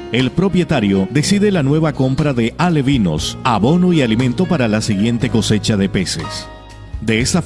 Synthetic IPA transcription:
e̞lpɾo̞pje̞t̪aɾjo̞ðesiðe̞lanwe̞βako̞mpɾaðe̞ʔaleβino̞̰saβo̞noialimẽnt̪o̞paɾalasiɣje̞nt̪e̞ko̞se̞t͡ʃaðe̞pe̞se̞̰s | d̪e̞est̪a

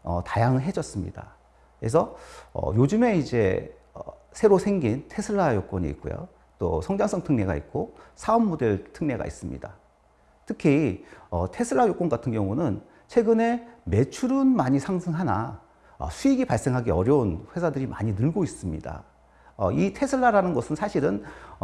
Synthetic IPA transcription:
ʌ̰tajaŋɯɭɦe̞d͡ʑʌs͈ɯmɲḭda̰ | kɾe̞̰s̬ʰʌʌ̰jod͡ʑɯme̞id͡ʑe̞̰ | ʌ | sʰe̞ɾosʰe̞ŋɡintʰe̞sʰɯɭːajok͈wʌɲḭːk̚k͈o̰jo̰ | t͈o̰sʰʌŋd͡ʑaŋs͈ʌŋtʰɯŋne̞ɡa̰ḭk̚k͈osʰaʌmːode̞ɭtʰɯŋne̞ɡa̰ḭs͈ɯmɲḭda | tʰɯkʰiʌtʰe̞sʰɯɭːajok͈oŋɡatʰɯnɡjʌŋunɯn | t͡ɕʰwe̞ɡɯne̞me̞t͡ɕʰuɾɯnmaɲisʰaŋsʰɯŋɦana̰ | ʌ̰sʰuiɡipaɭs͈e̞ŋɦaɡeʌɾjʌunɸwe̞sʰadɯɾimaɲinɯɭɡois͈ɯmɲḭda̰ | ʌ̰itʰe̞sʰɯɭːaɾanɯnɡʌsʰɯnsʰaɕʰiɾɯn

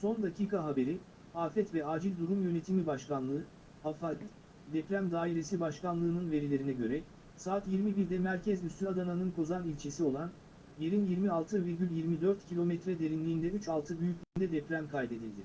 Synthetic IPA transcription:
so̞nd̪acʰiːkaɦabe̞ɾi | aːfɛt̪vɛaːd͡ʒilʲd̪uɾumjø̞ne̞t̪ʰimibaʃkanlˠɯɯ | hafa | d̪ɛpɾæmd̪aːiɾe̞sibaʃkanlˠɯːnɯnve̞ɾilʲe̞ɾinɛɟø̞ɾɛ | saːt̪jiɾmibiɾd̪ɛmæɾcʰɛzmysʲymad̪ananɯnkʰo̞zanilʲt͡ʃʰe̞sio̞lˠan | je̞ɾinjiɾmialˠt̪ʰɯviɾɟʲylʲjiɾmid̪ø̞ɾt̪cʰilʲo̞mɛt̪ɾɛd̪e̞ɾinlʲiːnd̪ɛyt͡ʃalˠt̪ʰɯbyjycʲlʲyːnd̪ɛd̪ɛpɾæmkʰajd̪e̞d̪ilʲd̪ɪ

